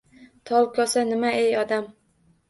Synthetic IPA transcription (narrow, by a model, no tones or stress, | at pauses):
t̪ʰɒlˠkʰɒsanɪmaejɒd̪am